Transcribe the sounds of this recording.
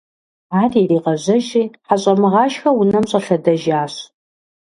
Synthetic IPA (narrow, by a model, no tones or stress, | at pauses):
aːrjiriːqɐʑɐʒiːħaɕʼɐmɨʁɑːʃxɐwʊnɐmɕʼɐɬɐdɐʒaːɕ